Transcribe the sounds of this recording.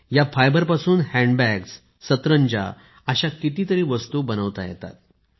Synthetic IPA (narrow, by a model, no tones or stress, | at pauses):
jafajbəɾpasuːnhæ̃ɳɖbæksː | ət̪ɾəɲd͡ʑa̰ | əɕakit̪iːt̪əɾiːʋəst̪uːbənəʋt̪ajɛ̰t̪a̰t̪̚